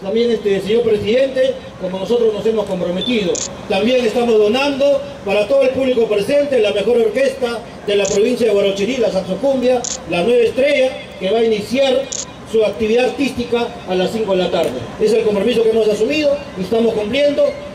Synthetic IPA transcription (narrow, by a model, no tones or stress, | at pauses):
t̪ambje̞ŋest̪es̬eɲo̞ɾpɾe̞siðe̞nt̪e̞ | komono̞so̞t̪ɾo̞zno̞se̞mo̞sko̞mpɾo̞me̞t̪ið̞o̞t̪ambje̞ŋe̞st̪amo̞zðo̞nand̪o̞ | paɾat̪o̞ðoelpuβliko̞pɾe̞se̞nt̪e̞lame̞xo̞ɾo̞ɾke̞st̪a | ðe̞lapɾo̞β̞insjaðeɣwaɾot͡ʃiɾilas̬anso̞fumbjalanwe̞βest̪ɾe̞ʝa | ke̞βainisjaɾ | suak̚t̪iβiðat̪ist̪ikaː | lasːiŋko̞ð̞elat̪aɾðee̞se̞lko̞mpɾo̞miso̞kemo̞sasumið̞o̞ | iest̪amo̞skumplje̞nd̪o̞